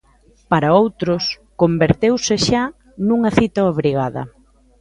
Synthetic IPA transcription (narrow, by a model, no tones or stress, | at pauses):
paɾɐowt̪ɾʊs | kombeɾt̪ewsɪʃa | nuŋɐθit̪ɐoβɾiɣaðɐ̰